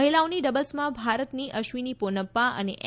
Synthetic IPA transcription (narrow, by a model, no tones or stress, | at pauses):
ɦilaoniɖəbəlsmãbʱaɾət̪niʔəʃʋiniponəpːaə̰neʔ